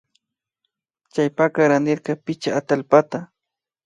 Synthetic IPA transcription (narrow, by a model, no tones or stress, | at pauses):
t͡ʃajpakaɾanɪɾkapɪt͡ʃaːt̪alpat̪a